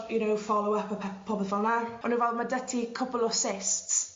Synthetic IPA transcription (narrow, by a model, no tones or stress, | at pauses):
jʊnowfɔlˠowəpʰəpʰpʰɔbθɔnaɔnəvɛlˠdmadətʰikʰəpɔlˠɔsɪsts